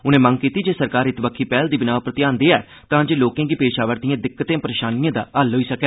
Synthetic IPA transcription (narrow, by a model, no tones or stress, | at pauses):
ʊnẽːməŋɡkiːt̪iːd͡ʒeːsəɾkaːɾɪt̪ʋəkʰːiːpɛːld̪iːbɪnaːʋpɾət̪ɪjaːnd̪eːɛː | t̪ãːd͡ʒeːloːkãːɡiːpeːʃaːʋəɾd̪ijãːd̪ɪkːət̪ẽːpəɾeːʃaːnijãːd̪a̰ːlɦoːiːsəkɛː